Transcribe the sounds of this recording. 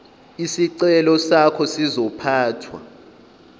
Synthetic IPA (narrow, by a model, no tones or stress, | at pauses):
isiǀɛlɔsakʰɔsizɔpʰaːtʰwa̰